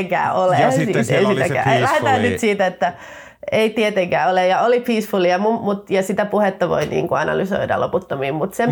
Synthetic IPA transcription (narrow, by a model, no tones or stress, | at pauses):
ŋkæ̰ːoleḛisit̪ækæ̰ːlæhet̪æːnnyt̪siːt̪æet̪ːæ | eit̪iet̪eŋkæːolejɑolipiːsfuliɑmumut̪jɑsit̪æpuhet̪ːɑʋo̰inḭːŋkuɑnɑ̰lyso̰idɑ̰loput̪ːomiːmmut̪sem